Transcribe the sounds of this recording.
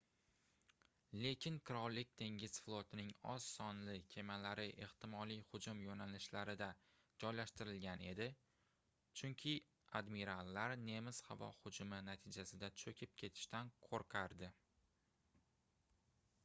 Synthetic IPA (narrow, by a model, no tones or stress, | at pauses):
le̞kʲʰɪŋkʰɪɾɒllːɪkʲt̪ʰe̞ŋʲɪz̥flˠot̪ʰɪnɪŋɒ̰z̥sɒnlɪkʲʰe̞malaɾɪʔe̞ht̪ʰɪmɒlijhʊd͡ʒʊmjonalɪʃlaɾɪd̪a | d͡ʒɒjlaʃt̪ɪɾɪlɡʲane̞d̪ɪ | t͡ʃʰʊŋkʲʰɪ | ad̪miɾalːaɾne̞mɪz̥havɒ̰hʊd͡ʒʊmɪnat̪ʰɪd͡ʒasɪd̪at͡ʃʰɵkʲʰɪp̚kʲʰe̞t̪ʰɪ̥ʃt̪anqʰoɾqʰaɾd̪ɪ